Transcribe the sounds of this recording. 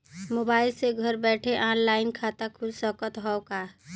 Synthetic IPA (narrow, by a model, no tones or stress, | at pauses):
moːbaːɪlseɡʱəɾbɛːʈʰeʔaːnlaːɪnkʰat̪akʰʊlsəkət̪ɦɔoka